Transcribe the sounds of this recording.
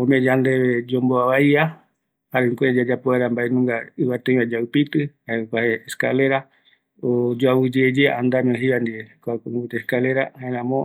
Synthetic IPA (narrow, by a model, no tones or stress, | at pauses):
õmẽd͡ʒand̪eβed͡ʒomboaβaia | haɾeŋkʷed͡ʒad͡ʒapoaɾambaenũŋɡaɨβat̪ẽĩad͡ʒaupit̪ɨhaekaheːskaleɾa | od͡ʒoawɨd͡ʒed͡ʒeand̪amĩõɦiβand̪iekakbut̪eskaleɾahaeɾãmõ